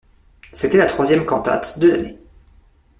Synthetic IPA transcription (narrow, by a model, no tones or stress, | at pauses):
set̪ɛlat̪χwazjɛmkɑ̃t̪a̰t̪d̪əla̰nḛ